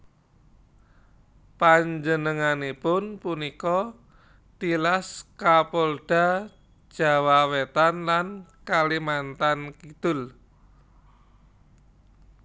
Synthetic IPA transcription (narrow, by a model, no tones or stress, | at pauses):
paɲd͡ʒənəŋanepʊnpunikɔ | t̪ilaskapɔlɖ̥a̤̥ | ʒ̥a̤wawet̪anlankalimant̪ankid̪̥ʊl